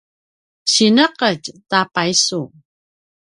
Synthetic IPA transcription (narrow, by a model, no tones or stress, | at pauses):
ɕinəqəctapaisu